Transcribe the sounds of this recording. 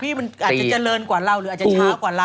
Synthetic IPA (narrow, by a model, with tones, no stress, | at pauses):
pʰiː˥˩ma˧nʔaː˨˩t͡ɕa˨˧˩t͡ɕa˨lɤː˧nkwaː˨˩la˧˥˩wɾɯː˦˨˩t͡ɕaː˦kwaː˨˩la˧˩